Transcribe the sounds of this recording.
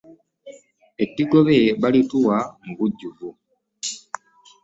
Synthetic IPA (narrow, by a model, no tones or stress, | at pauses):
etːiɡo̞βeβalituwamuβuɟːuvu